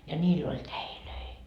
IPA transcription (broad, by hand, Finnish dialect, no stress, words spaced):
jɑ nʲiːlː olʲ tæiløi